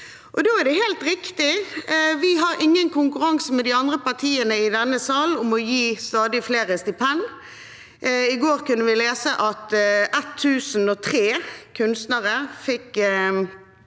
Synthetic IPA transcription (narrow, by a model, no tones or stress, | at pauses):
ʔɔd̪oːæd̪ɛɦeːlt̪ɾɪkt̪ɪʋɪɦɑɾɪŋːənkʰʊŋkʉɾɑŋsmɛd̪ɪɑnd̪ʁəpɑʁt̪ʰiːənəɪd̪ɛnːəsɑːlʊmɔjiːst̪ɑːd̪ɪfleːʁəst̪ɪpʰɛn | ɪɡoːʁkʉnːəʋɪleːsəʔɑt̪ʔɛt̪ʰːʉːsn̩ɔt̪ʰʁeːkʰʉnst̪nəʁəfɪkː